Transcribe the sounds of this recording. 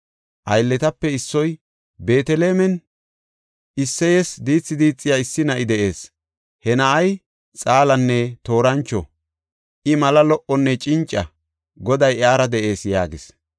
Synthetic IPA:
ʔɐjlːɛt̪ɐpːɛɪsːɔj | be̞ːt̪ɛleːmɛn | ɪsːɛjɛsd̪iːt͡sːɪd̪iːt͡sʼːɪjaɪsːɪnɐʔɪd̪ɛʔe̞ːs | hɛnɐʔɐj | t͡sʼaːlɐnːɛt̪o̞ːɾɐnt͡ʃːɔ̰ | ʔɪmɐlɐlɔʔɔnːɛt͡ʃʼɪnt͡ʃʼːɐ | ɡɔd̪ɐjaːɾɐd̪ɛʔe̞ːsjaːɡɪs

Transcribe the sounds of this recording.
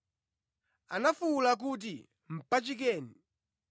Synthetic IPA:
anafulak̬uːt̬i | m̩pat͡ʃik̬ɛːni

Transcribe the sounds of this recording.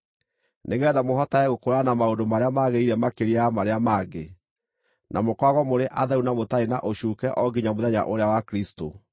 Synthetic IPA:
neɣɛðamoɦɔtaɛɣokoɾanamaondomaɾeamaɣeiɾɛmakeɾiamaɾeamaːɡe | nʔa̰mokwaɣɔmoɾeʔaðɛunamotaena̰ʔoɕuːkɛʔɔɡiɲamoðɛɲa̰ʔoɾeawakɾisto̰

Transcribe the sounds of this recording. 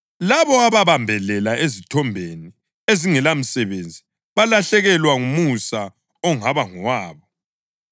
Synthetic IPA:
laβɔaβaβambʱɛlɛlaezitʰɔmbʱeni | eziŋɛlam̩sɛβend͡zʱi | βalaɬɛɣɛlwaŋumusa | ɔŋaβaŋɔwaːβɔ

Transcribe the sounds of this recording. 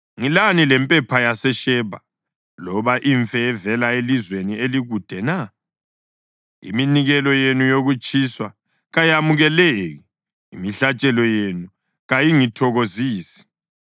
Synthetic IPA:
ŋilanilɛmpʼɛpʰajasɛʃɛːβa | lɔβaʔiɱfɛːvɛlaelizwenieliɣud̥ʱɛna | ḭminiɣɛlɔjenujoɣut͡ʃʼiswa | ɣajamuɣɛleɣɛ | imiɬat͡ʃʼɛlɔjenu | ɣajiŋitʰɔɣoziːsi̥

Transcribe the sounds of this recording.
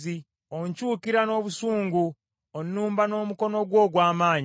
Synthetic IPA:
i | oɲcuːkiɾano̞ːβusuːŋɡu | onːuːmbano̞ːmuko̞no̞ɡwo̞ːɡwaːmaːɲ

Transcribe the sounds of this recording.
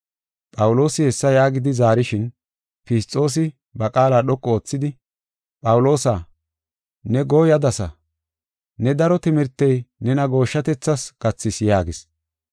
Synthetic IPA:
pʼɐwʊlo̞ːsɪhɛsːɐjaːɡɪd̪ɪzaːɾɪʃɪn | pɪst̪ʼːo̞ːs̬ɪ | bɐkʼaːlaːɗɔkʼːɔoːt͡sːɪd̪ɪ | pʼɐwʊlo̞ːsaː | nɛɡo̞ːjɐd̪ɐsɐ̰ | nɛd̪ɐɾɔt̪ɪmɪɾt̪ːɛjnɛnɐɡo̞ːʃːɐt̪ɛt͡sːɐsɡ̥ɐt͡sːɪsjaːɡɪs

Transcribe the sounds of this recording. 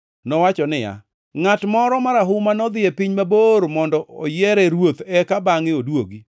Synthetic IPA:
nɔwat͡ʃɔnɪja̰ | ŋatmɔɾɔmaɾaɦʊmanɔd̪ɪɛpiɲmaboɾmɔndɔʔɔ̰jɛɾɛɾwot̪ɛkabaŋɪodwoɡi

